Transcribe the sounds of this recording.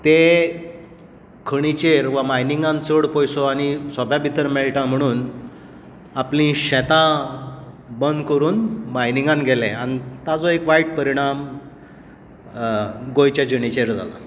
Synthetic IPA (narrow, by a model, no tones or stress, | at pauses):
t̪e | kʰəɽ̃it͡ɕeɾʋamajniŋɡãnt͡səɽpɔjsoaɽ̃isɔbjabʱit̪əɾmeɭʈãm̤əɽ̃uːn | aplĩɕɛ̃t̪ã | bənd̪kəɾuːnmajniŋɡãnɡʱelẽañit̪ad͡zɔekʋaiʈ̚pəɾiɽ̃am | ɡojt͡ɕjad͡ʑəɳit͡ɕeɾd͡zʱa̰la̰